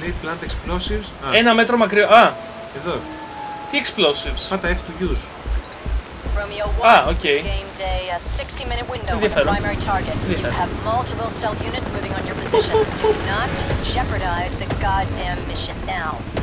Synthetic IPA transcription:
leplɐnt̪eksplosivsenɐme̞t̪ɾo̞mɐkɾioɐ | eðo | t̪ieksplosivsɐt̪ɐefi̥t̪uʝus | ɹõʊmioʊwɐocejiɡẽɪ̃mdeɪsɪkstimɪ̃ñɨt̚wɪ̃ndoẽnðiɐffe̞ɾoaɪmɛɹitʰɑɹɡɨtnðiɐfeɾəvmʌlˠtəpl̩ˠsɛlˠjʉnɨtsmʉvɪ̃ŋə̃njə˞pʰɨzɪʃotʰonətʒ̥ɛpə˞ɾaɪzðɨɡɑdæ̃mːɪʃɨ̃nːaʊ

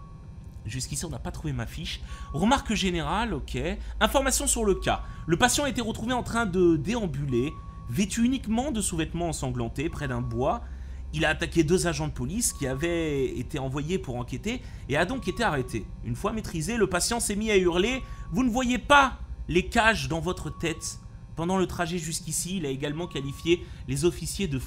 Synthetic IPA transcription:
ʒyskʲisiɔ̃napat̪χuvemafiʃʁəmaʁkʒeneʁalokʲeɛ̃fɔʁmasjɔ̃syʁləkʲa̰ləpasjɑ̃aet̪ɛʁət̪χuveɑ̃t̪χɛ̃d̪əd̪eɑ̃byle | vet̪yynikmɑ̃d̪əsuvɛt̪mɑ̃ːsɑ̃ɡlɑ̃t̪epχɛd̪ɛ̃bwa | ilaːt̪akʲed̪øzaʒɑ̃d̪əpɔliskʲiavɛet̪eɑ̃vwajepuʁɑ̃kʲet̪eː | ad̪ɔ̃ket̪eaʁet̪ʰeynfwamet̪χizeləpasjɑ̃sɛmiayʁlevunəvwajepalekaʒd̪ɑ̃vɔt̪χət̪ɛt̪ | pɑ̃d̪ɑ̃lət̪χaʒɛʒyskʲisiːlaeɡalmɑ̃kalifjelezɔfisjed̪ə

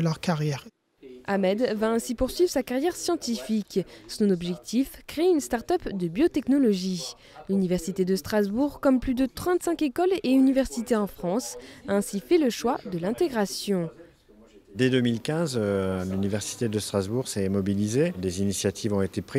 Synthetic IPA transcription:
lœʁkaʁjɛʁ | amɛd̪vaɛ̃sipuʁsɥivʁsakaʁjɛʁsjɑ̃t̪ifiksɔ̃nɔbʒɛk̚t̪ifkχeeynst̪aʁt̪œpd̪əbjot̪ɛknɔlɔʒi | lynivɛʁsit̪ed̪əst̪χazbuʁkɔmplyd̪ət̪χɑ̃t̪sɛ̃kekɔleynivɛʁsit̪eɑ̃fχɑ̃saɛ̃sifɛləʃwad̪əlɛ̃t̪eɡʁasjɔ̃ | d̪ed̪ømilkʲɛ̃zlynivɛʁsi̥t̪ed̪əst̪χazbuʁsɛmɔbilized̪ezinisjat̪ʰivɔ̃et̪epχi

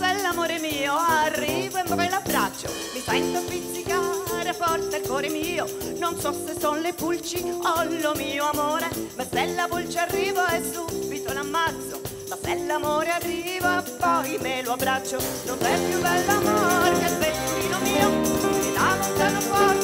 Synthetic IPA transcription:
bɛlːamoːɾemiːoarːiːvoembɾɔjlabːɾat͡ʃːo | misɛnt̪ofisːikaɾepɔrt̪ɛrkɔːɾemiːo | nonsɔsesːonlepult͡ʃiɔnlomiːoamoːɾemasɛlːapult͡ʃarːiːvaɛsubit̪olamːat̪sːo | mabɛlːoamoːɾearːiːvapɔjmeloabːɾat͡ʃːononsɛpjubɛlːamoɾekelvet̪t̪ːiːnomiːomilavont̪aːnofɔ

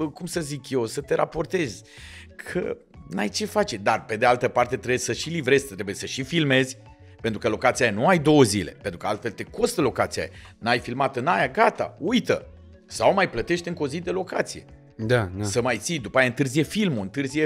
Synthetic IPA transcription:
əkumsəzikje̞wsət̪e̞ɾa̰po̞rt̪e̞zʲ | kʰə̰ | na̰jt͡ʃe̞fat͡ʃed̪arpe̞d̪ealt̪əpart̪e̞t̪ɾebsəʃilivɾe̞z̥ʲt̪ɾe̞bujesəʃifilme̞zʲ | pent̪ɾukəlo̞kat̪siajanuajd̪o̞wəzile̞̰pent̪ɾukəalt̪fe̞lt̪e̞ko̞st̪əlo̞kat̪sia̰ja̰najfilmat̪ɨnajaɡat̪a̰ujt̪ə̰ | sawmajplət̪e̞ʃt̪ɨŋko̞zid̪e̞lo̞kat̪sije̞̰ | d̪asəmajt̪sijd̪upaajaɨnt̪ɨrzije̞filmuɨnt̪ɨrzije

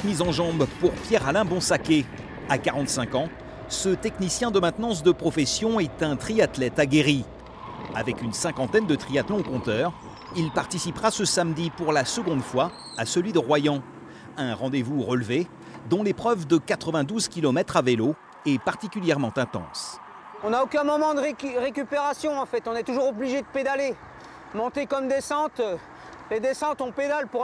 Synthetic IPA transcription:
mizɑ̃ʒɑ̃bpuʁpjɛʁalɛ̃bɔ̃sakʲe | akaʁɑ̃t̪sɛ̃kɑ̃ | sət̪ɛknisjɛ̃d̪əmɛ̃t̪nɑ̃s̬d̪əpχɔfɛsjɔ̃ɛt̪ɛ̃t̪χiat̪lɛt̪aɡʲeʁi | avɛkynsɛ̃kɑ̃t̪ɛnd̪ət̪χiat̪lɔ̃kɔ̃t̪œʁ | ilpaʁt̪isipχasəsamd̪ipuʁlasəɡɔ̃d̪fwa | asəlɥid̪əʁwajɑ̃ | ɛ̃ʁɑ̃d̪evuʁəlve | d̪ɔ̃lepχœvd̪əkat̪χəvɛ̃d̪uzkʲilɔmɛt̪χavelo | ɛpaʁt̪ikʲyljɛʁmɑ̃t̪ɛ̃t̪ɑ̰̃s | ɔ̃naokʲɛ̃mɔmɑ̃d̪əʁʁekʲypeʁasjɔ̃ɑ̃fɛt̪ɔ̃nɛt̪uʒuʁobliʒed̪əped̪ale | mɔ̃t̪ekɔmd̪esɑ̃t̪ | led̪esɑ̃t̪ɔ̃ped̪alpu

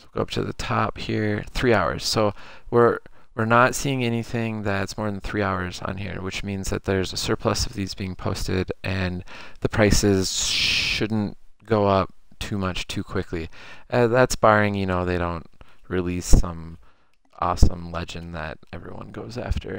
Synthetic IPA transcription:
ɡ̥oʊʌ̰p̚tʰɨ̰ðɨ̰tʰɑphiɹθɹiaʊə̰˞z̥soʊwɪɹwəɹnətsiɪ̃ŋɛniθɪ̃ŋðɨtsmɔɹðn̩θɹiaʊə˞zn̩hḭɹwɨt͡ʃmĩnzðɨ̰t̪̚ðə˞zɨsɜ˞pʰləsʌvðizbiɪ̃ŋpʰoʊstɪ̰ɾʔɨ̃nðɨpʰɹ̥aɪsɪz̥ʃʊdⁿn̩tɡ̥oʊʌp̚tʰʉmʌt͡ʃtʰʉkʰw̥ɪkʰliʔɨðætsb̥ɑɹɪ̃ŋjɨnoʊðeɪɾõʊ̃ntɹilisʌ̃m | ʔɔ̰sə̰̃mlɛd͡ʒɨ̃nðɨ̰ɾɛvɹḭwʌ̰̃nɡoʊzæ̰ftʰə̰˞

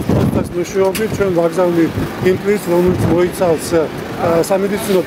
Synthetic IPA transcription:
t̪ʰasmuʃɛɔbit̪̚t͡ʃʰwɛnvaɡzavniimpʼlisɾɔmɛlit̪sʰmɔit̪sʰals | samɛd̪it̪sʰinɔ

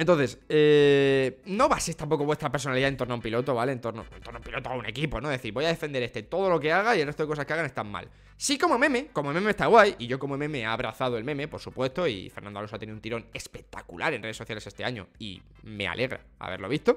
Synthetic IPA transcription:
ent̪onθe̞se | no̞βasest̪ampo̞koβwe̞st̪ɾapeɾso̞naliðaent̪o̞ɾnoaumpilo̞t̪o̞βale̞ːnt̪o̞ɾno̰ḛnt̪o̞ɾnoaumpilo̞t̪oaune̞̰kipo̞no̞ðe̞θiɾβo̞jaðe̞fe̞nd̪ee̞st̪e̞t̪o̞ð̞o̞lo̞ke̞aɣ̞aielret̪oeko̞saskeaɣane̞st̪amma̰l | siko̞mome̞me̞ko̞mome̞mest̪aɣwajiʝo̞ko̞momẽ̞me̞aːβɾʔaθaðoelmẽ̞me̞po̞ɾsupwe̞st̪o̞ḭfe̞ɾnand̪oalosoat̪eniðunt̪iɾo̞ne̞spe̞k̚t̪a̰kṵlʔaɾe̞nre̞eso̞θjale̞sest̪e̞aɲo̞̰ḭ | me̞̰a̰lʔe̞ɣɾa̰ | a̰βe̞̰ɾlo̞βist̪o̞

